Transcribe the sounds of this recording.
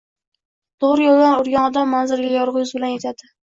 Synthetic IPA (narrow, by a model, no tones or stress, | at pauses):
t̪ʰoʁɾɪjolˠd̪aɾʊɾɡʲanɒd̪amːanzɪɾɡʲajɒɾʁɨjʊzbɪlanjet̪ʰad̪ɪ